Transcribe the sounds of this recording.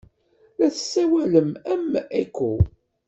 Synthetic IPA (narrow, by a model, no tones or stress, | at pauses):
læθə̥sːæwæləmæmːækːu